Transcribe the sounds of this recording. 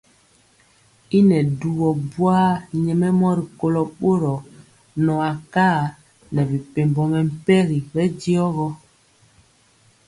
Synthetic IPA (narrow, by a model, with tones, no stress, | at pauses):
i˦nɛ˨du˨ɣɔ˨bwaː˦ɲɛ˨mɛ˦mɔ˦ɾi˨ko˦lɔ˨ɓo˦ɾɔ˨ | nɔ˨a˨kaː˦˨ | nɛ˨bi˨pe˨mbɔ˨mɛ˨m̩˦pɛ˦ɾi˨bɛ˦di˦ɔ˦ɣɔ˦